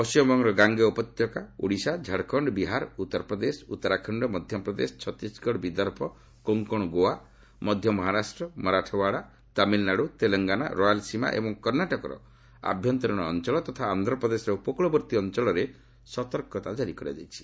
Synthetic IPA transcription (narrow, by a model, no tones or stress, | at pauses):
ɔsijɔbɔŋɾɔɡaŋɡeupɔt̪jɔkaṵɽisad͡ʒʱaɽkʰɔɳɖɔbiɦaɾut̪ːɔɾɔpɾɔd̪esut̪ːɔɾakʰɔɳɖɔmɔd̪ʱjɔpɾɔd̪esɔ̥t͡ʃʰɔt̪isɡɔɽɔbid̪ɔɾpʰɔ | koŋkɔɽ̃ɔɡoa | mɔd̪ʱjɔmɔɦaɾasʈɾɔmɔɾaʈʰɔbaɽa | t̪amilnaɽut̪elɔŋɡana̰ɾojalsima̰ʔḛbɔŋkɔɾnaʈɔkɔɾɔ̰ | a̰bʱjɔnt̪ɔɾɔɽ̃ɔːnt͡ʃɔɭɔt̪ɔt̪ʰaːnd̪ɾɔpɾɔd̪esɾɔupɔkuɭɔbɔɾt̪iɔnt͡ʃɔɭɔɾe | sɔt̪ɔɾkɔt̪ad͡ʒaɾikɔɾa̰d͡ʒa̰jt͡ʃʰi̥